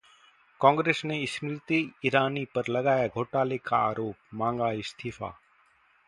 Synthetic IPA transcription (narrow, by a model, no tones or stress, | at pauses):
kɔ̃ːŋɡɾeːsneɪsnɾɪt̪iiɾaːniːpɐɾlɐɠaːjaːɡʱoːʈaːleːkʰaa̰ːɾoːp̚mãːŋɡaːist̪ʰiːfa̰ː